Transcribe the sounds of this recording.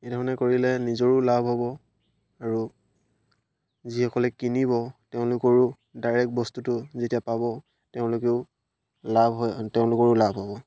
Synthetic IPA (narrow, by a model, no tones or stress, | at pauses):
ejdʱɔɹɔnɛkoɹilɛnizɔɹʊlabʱɦɔbɔ | aɹu | zixɔkɔlɛkinibɔteʊ̃lʊkɔɹʊ | daɹɛk̚bɔstutʊzetijapabɔ | teʊ̃lʊkeʊ | labɦɔjtɛʊ̃lʊkɔɹʊlabʱɦɔbɔ